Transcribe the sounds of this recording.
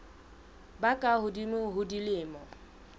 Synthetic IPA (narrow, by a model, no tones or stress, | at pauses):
bakʼahʊdimʊɦʊdilɪːmɔ